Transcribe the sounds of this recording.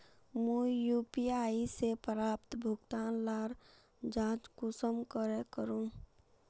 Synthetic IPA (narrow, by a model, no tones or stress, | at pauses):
mũjuːpiaːisepəɾaːpt̪bʱʊɡt̪aːnlaːɾ | d͡ʒãːd͡ʒkusəmkəɾekəɾũː